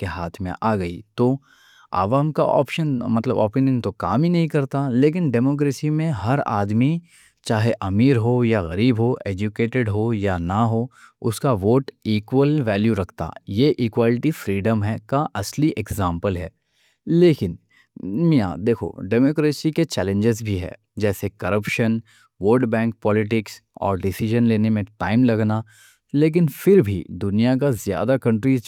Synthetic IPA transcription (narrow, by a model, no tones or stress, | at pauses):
keɦaːt̪ʰmḛ̃ʔaːɡɐḭt̪oː | a̰ːʋaːmka̰ʔɔ̰ːpʃənmɐt̪lə̰bɔ̰ːpinjənt̪okaːminɐɦĩkɐɾt̪aleːk̬ɪnɖeːmoːk̬ɾeːsimẽɦɐɾa̰ːd̪mi | t͡ʃaːɦeʔɐmiːɾɦojaɣɐɾiːbɦoʔeːd͡ʒukeːʈɪɖɦojanaɦoʊskaʋoːʈiːkwəlʋɛːljuɾɐkʰt̪a̰ːjeʔiːkwaːlɪʈifɾiːɖəmɦɛkaʔɐsliʔeɡzãːmpəlɦɛː | leːkɪn | mija̰ːd̪eːkʰo̰ɖeːmoːkɾeːsiket͡ʃɛːlẽɲd͡ʒɪzbʱiɦɛ̰ː | d͡ʒɛːsekɐɾəpʃən | ʋoːɖbɛ̃ːŋk̚pɔːlɪʈ̬ɪksɔ̰ːɾɖɪsɪʒənleːnemẽʈaːɪmlɐɡna | leːk̬ɪnfɪɾbʱḭd̪ʊnijak̬azja̰ːd̪akɐ̃ɳʈɾiːz